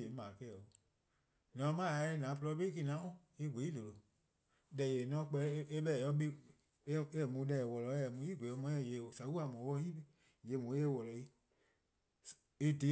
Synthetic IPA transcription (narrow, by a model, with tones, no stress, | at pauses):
e˨˦mãː˨kɛ˦˨o˨ | nɔ̃˨˦mã˦˨˧e˧˦nã˨˦plɔ˧˦be˦i˦k̬i˦˧˨nã˨˦ɔ̃˦ | i˧ɡʷe˨˦i˦do˨lo˨ | dɛ˨je˨nɔ̃˧˦k͡pɛ˧˦e˦ɓɛ˦˨ɔ̃˧˦ɓe˦ | e˦˨mũ˧˦dɛ˧˨wɔ˨lɔ˧˦ɛ˨mũ˧˦i˦ɡʷe˨ɔ˧˦mɔ̃˧˦ɛ̃˧˨je˨sa˨˦wu˦a˨mɔ̃˨˦ɔ˦i˦be˦ | je˧˨mũ˨˦e˦˨wɔ˨lɔ˨i˦ | e˦de˨˦